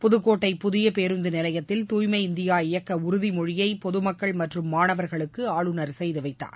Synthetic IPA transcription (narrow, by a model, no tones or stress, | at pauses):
pʊðɯkːoːʈːɐɪpʊðɪjɐpeːɾɯnd̪ɯnɪlɐjɐt̪ːɪlt̪uːjmɐɪɪnd̪ɪjaːɪjɐkːɐʊɾʊðimɔɻɪjɐɪpɔðɯmɐkːɐɭmɐʈrɯmːaːnɐʋɐɾɣɐɭɯkːɯaːɭɯnɐɾsɛjðɯʋɐɪt̪ːa̰ːɾ